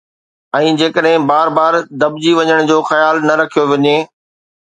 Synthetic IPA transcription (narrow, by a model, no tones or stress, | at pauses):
ɛ̃ːd͡ʑeːkəɗɦɪ̃baːɾbaːɾd̪ɐbd͡ʑiʋɐɲəɽ̃d͡ʑoːxɐjaːlnɐɾɐkʰijoʋɐɲeː